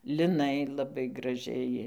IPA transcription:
lʲɪˈnɐɪ lˠɐˈbɐɪ ɡrɐˈʒʲɛɪ

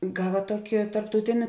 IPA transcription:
ˈɡɑːʋɐ ˈtuɔkʲɪ tɐrptɐʊˈtʲɪnʲɪ

